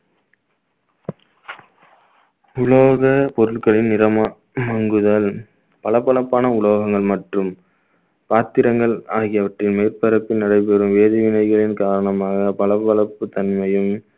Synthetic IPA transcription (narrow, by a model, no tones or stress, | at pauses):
ʊɭoːɣɐpɔɾɯɭkɐɭɪnnɪɾɐma | mɐŋɡɯðal | pɐɭɐpːɐɭɐpːaːnɐʊɭoːɣɐŋɡɐɭmɐʈrɯm | paːt̪ɪɾɐŋɡɐɭaːɣɪjɐʋɐʈrɪnmeːrpɐɾɐpːɪnːɐɽɐɪp̬ɛɾɯmʋeːðɪʋɪnɐɪɣɐɭɪnkaːɾɐɳɐmaːɣɐpɐɭɐpːɐɭɐpːɯt̪ɐnmɐjɯm